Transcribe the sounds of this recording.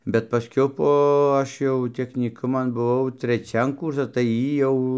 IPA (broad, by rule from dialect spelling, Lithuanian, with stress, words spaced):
bʲɛt pɐˈsʲkʲɛʊ ˈpoː ˈɐʃ jɛʊ tʲɛxʲnʲiːˈkʊmɐn bʊˈʋɐʊ tʲrʲɛˈt͡ʃʲɛn ˈkuːrsɐs tɐɪ ˈjiː jɛʊ